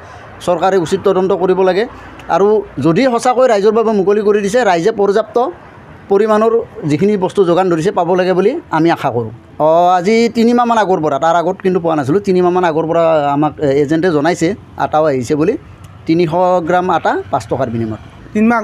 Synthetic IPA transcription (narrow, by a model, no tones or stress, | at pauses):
sɔɹkaɾɛusit̚tɔdɔntɔkoɹibɔlaɡɛ | a̰ɹuzodiɦɔsakojɾajzɔɹbabɛmukolikoɹidisɛɾajzɛpɔɹzap̚tɔ | poɹimanɔɹzikʰinibɔstuzoɡandoɹis̬ɛpabɔlaɡɛbuliamiakʰakoɹʊ̰ | ɔazitinimamanaɡɔɹpɔɹataɹaɡɔtkintupʊwanas̬ilʊtinimamanaɡɔɹpɔɹaamakezɛntɛzɔnajsɛ | a̰tawaɦisɛbuli | tiniɦɔɡɹamatapastʰɔkaɹbinimɔ̰t | tia